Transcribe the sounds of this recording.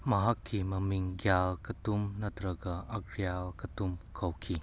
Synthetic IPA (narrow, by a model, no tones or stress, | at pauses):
mɐɦɐkːimɐmiŋɡjalkɐtumnɐtɾɐɡɐːɡɾijalkɐtumkʰɐwkʰi